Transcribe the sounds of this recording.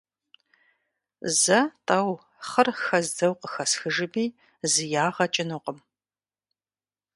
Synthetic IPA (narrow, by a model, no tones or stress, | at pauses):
zɐtʼɐw | χərxɐzdɐwqəxɐsxɨʒɨbiː | zɨjaːʁɐt͡ʃʼɪnuqəm